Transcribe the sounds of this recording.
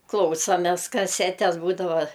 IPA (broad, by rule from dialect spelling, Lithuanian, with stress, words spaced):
ˈklˠɐʊsoːmʲɛs kɐˈsʲæːtʲɛs ˈbuːdɐʋɐ